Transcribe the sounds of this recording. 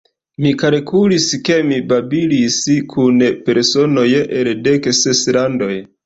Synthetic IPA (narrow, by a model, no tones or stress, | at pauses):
mikalkuliske̞mibabiliskʰunpe̞ɾso̞no̞jʔeldekseslando̞j